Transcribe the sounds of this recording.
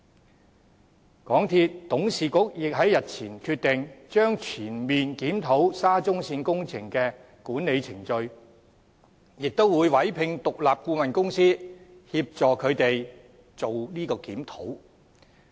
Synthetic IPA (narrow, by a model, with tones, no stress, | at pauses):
kɔː˨˥ŋt̪ʰiː˧t̚t̪ʊ˨˥ŋsiː˨kʊ˨˥k̚jɪ˨k̚ɦɐ˨˥jɐ˨t̚t͡sʰiː˨˩nkʰyː˧t̚t̪ːɪ˨ŋt͡ʃœː˥ŋt͡sʰyː˨˩nmiː˨nkiː˨˥mt̪ʰo˨˥wsaː˥t͡sʊ˥ŋsiː˧nkʊ˥ŋt͡sʰɪ˨˩ŋkɛː˧ | kuː˨˥nne˨˧jt͡sʰɪ̰˨˩ŋt͡ʃɵ˧ɥ | jɪ˨k̚t̪o˥wwuː˨˧jwɐ˨˥jpʰɪ˧ŋt̪ʊ˨k̚laː˨p̚kuː˧mɐ˨nkʊ˥ŋsiː˥hiː˧p̚t͡sɔː˨kʰɵ˨˧ɥt̪e˨j | t͡so˨wliː˥kɔː˧kiː˨˥mt̪ʰo˨˥w